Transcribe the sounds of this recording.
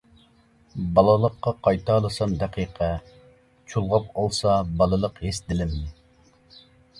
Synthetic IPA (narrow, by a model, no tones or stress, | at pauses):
bɑlˠɨlˠəqːɑqʰɑjt̪ʰɑːlˠɨsɑmd̪æqʰiːqʰɛ | t͡ʃʰulˠʁɑp̚olˠsɑbɑlˠɨlˠəqhesd̪ɪlɪmnɪ